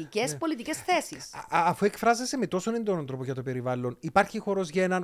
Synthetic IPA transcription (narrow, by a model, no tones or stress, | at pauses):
icespo̞lit̪icesθesisːfuekfɾɐzesemet̪o̞sonend̪onɐnθɾo̞poʝɐt̪o̞pe̞ɾivɐlːo̞nipɐɾçixo̞ɾo̞zʝɐenɐn